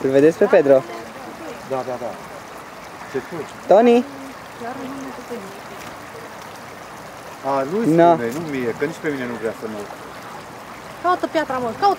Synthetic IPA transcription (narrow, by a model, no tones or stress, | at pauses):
ɨlved̪eskpeped̪ɾo | d̪ad̪ad̪a | t͡ʃet̪uj | t̪oni | kʲjaɾnuut̪et̪en | alujnanejnumijekənit͡ʃʲpe̞mine̞nuvɾeasəməuku | kaut̪əpjat̪ɾaməkau